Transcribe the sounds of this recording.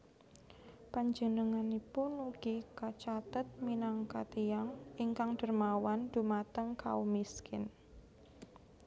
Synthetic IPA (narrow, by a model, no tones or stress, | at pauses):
paɲd͡ʒənəŋanipʊnuɡ̥ikat͡ʃat̪ət̪̚minaŋkat̪ijaŋiŋkaŋɖ̥ərmawand̪̥ṳmat̪əŋka̰umiskɪn